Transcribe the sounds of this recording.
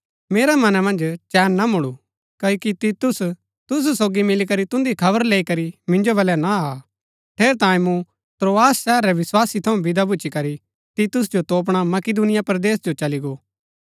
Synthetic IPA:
meːɾamɐnamɐ̃nd͡ʒt͡ʃɛːnːamʊɽu | kɐokit̪it̪ʊs | t̪ʊs̬usoːɡimɪlikɐɾit̪ʊ̃nd̪ikʰɐbəɾleːikɐɾimɪ̃nd͡ʒobɐlɛnaa | ʈ̪ʰeːɾt̪ãːĩmũ | t̪ɾoːaːsːɛːɾɛʋɪswaːsit̪ʰɐũbɪd̪abʊːt͡ʃikɐɾi | t̪it̪ʊsd͡ʒot̪oːp̬ɽ̃amɐkɪd̪unɪjapɾd̪eːsd͡ʒot͡ʃɐliɡoː

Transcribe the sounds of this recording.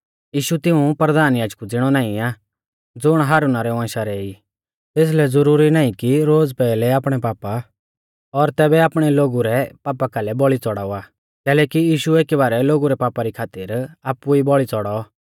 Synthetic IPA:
jiːʃut̪ɪũpɾəd̪aːnjaːd͡ʒkud͡zɪɽ̃ɔnãːĩaː | d͡zʊɽ̃ɦaːɾunaɾɛʊãːʃaɾɛːi | t̪eːs̬lɛd͡zʊɾuːɾinaːĩkiɾoːd͡zpɛːlɛaːpɽ̃ɛpaːpa | ɔɾt̪ɛːbɛaːpɽ̃ɛloːɡuɾɛpaːpakalɛbɔɭit͡sɔɽaːuaː | kɛːlɛːkijiːʃueːkibaːɾɛloːɡuɾɛpaːpaɾikʰaːt̪ɪɾaːpːuibɔɭit͡sɔɽɔ

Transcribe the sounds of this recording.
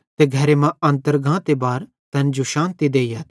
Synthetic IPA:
t̪eɡʱɐɾemãɐ̃nt̪əɾɡãːt̪ebaːɾ | t̪ɐnd͡ʒuʃaːnt̪id̪eːjɐt̪

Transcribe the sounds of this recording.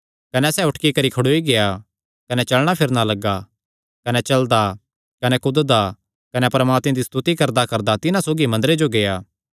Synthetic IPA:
kɐnɛsɛːʊʈkikɐɾikʰɐɽoːiɡeja | kɐnɛt͡ʃɐlɽ̃apʰɪɾnalɐɡːa | kɐnɛt͡ʃɐld̪a | kɐnɛkʊd̪d̪a | kɐnɛpɐɾmaːt̪mẽd̪ist̪ut̪ikɐɾd̪akɐɾd̪at̪ɪnãsoːɡimɐ̃nd̪əɾed͡ʒoɡejaː

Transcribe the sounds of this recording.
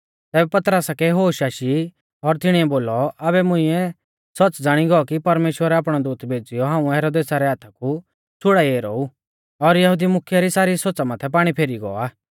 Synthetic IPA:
t̪ɛːbɛpɐt̪ɾəsakɛɦoːʃaːʃi | ɔɾt̪ɪɽ̃iɛboːlɔɐbɛmʊ̃ɪ̃ɛ | sɐt͡sd͡zaːɽ̃iɡɔɔkipɐɾmeːʃwəɾɛaːpɽ̃ɔd̪uːt̪ʰbʱeːd͡zijɔɦãːũɦɛːɾoːd̪eːsaɾɛaːt̪ʰaku | t͡sʰʊɽaieːɾɔ̰ːu | ɔɾjɐɦud̪imʊkʰjaɾisaːɾisoːt͡samat̪ʰɛp̬aːɽ̃ipʰeːɾiɡɔ̰ːaː

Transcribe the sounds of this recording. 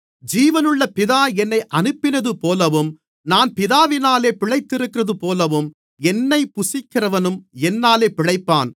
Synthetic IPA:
d͡ʒiːʋɐnɯɭːɐpɪðaːɛnːɐɪʔɐnɯpːɪnɐðɯpoːlɐʋɯm | naːnpɪðaːʋɪnaːleːpɪɻɐɪt̪ːɪɾɯkːɪɾrɐðɯpoːlɐʋɯm | ɛnːɐɪpːʊsɪkːɪrɐʋɐnɯmɛnːaːleːpɪɻɐɪpːaːn

